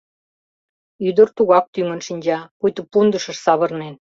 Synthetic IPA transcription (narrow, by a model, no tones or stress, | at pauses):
yd̪ərt̪uɣɑk̚t̪yŋə̆nʃinʲd͡ʑɑkujt̪ə̆pund̪əʃə̆ʃsɑβə̆rnen